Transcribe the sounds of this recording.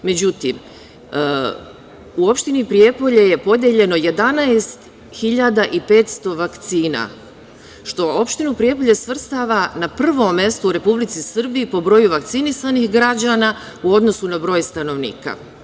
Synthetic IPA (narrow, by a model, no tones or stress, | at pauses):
me̞d͡ʑut̪ḭm | uo̞pʃt̪inipɾije̞po̞ʎeje̞po̞d̪je̞ʎe̞no̞je̞d̪anaest̪ | xiʎad̪aʔipe̞ːt̪st̪o̞ʋakt̪siːna̰ | ʃt̪o̞o̞pʃt̪inupɾie̞po̞ʎesʋr̩st̪aʋanapr̩ʋo̞mːe̞st̪ouɾe̞publit̪sisr̩biːpo̞bɾo̞juʋak̚t̪sinisanixɡɾad͡ʑana | uo̞d̪no̞sunabɾo̞jst̪ano̞ʋnḭːka̰